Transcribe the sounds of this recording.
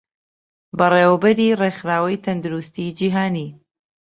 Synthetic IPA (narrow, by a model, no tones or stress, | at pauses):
bɐreːwbɐɾiːreːxɾaːwɐjt̪ʰɐnd̪uɾust̪iːd͡ʒiːɦaːniː